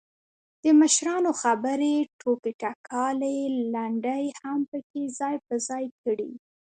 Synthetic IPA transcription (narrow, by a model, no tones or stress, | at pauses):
d̪̥əməʃɾɑnoxabəɾeʈʰokiʈakʰɑlelaɳɖəjhampəkezɑjp̚əzɑjkəɽḭ